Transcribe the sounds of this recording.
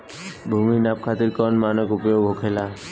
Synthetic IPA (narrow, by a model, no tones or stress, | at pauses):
bʱuminap̚kʰat̪iɾkɔnmanɔkupjoɡʱɦokʰela